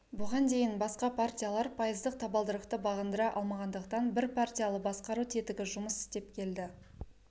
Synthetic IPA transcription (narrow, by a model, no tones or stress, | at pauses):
bʊʁɑnd̪e̞jɪnbɑsqɑpʰart̪ʲijalˠɑɾpʰɑjəzd̪əq̚t̪ʰɑbɑlˠd̪əɾəqt̪əbɑʁənd̪əɾɑʔɑ̰lˠmɑʁɑnd̪əqt̪ɑnbɪɾpʰart̪ʲijalˠəbɑsqɑɾut̪ʰe̞t̪ɪɡʲɪʒʊməsɪ̥st̪e̞pkʲʰe̞ld̪ɪ